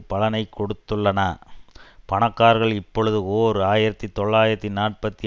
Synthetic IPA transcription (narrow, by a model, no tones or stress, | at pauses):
pɐɭɐnɐɪkʰːɔɽɯt̪ːɯɭːɐnaː | pɐɳɐkːaːɾɣɐɭɪpːɔɭɯðɯoːɾɯaːjɪɾɐt̪ːit̪ɔɭːaːjɪɾɐt̪ːinaːʈ̚pɐt̪ːi